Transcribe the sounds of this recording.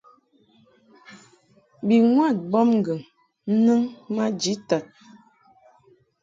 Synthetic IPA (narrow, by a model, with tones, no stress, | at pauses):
bi˨ŋwa˦˨t̚bɔ˦mŋ˦ɡə˨ŋ | n̩˦nɨ˦ŋma˦d͡ʒi˨˦ta˨t̚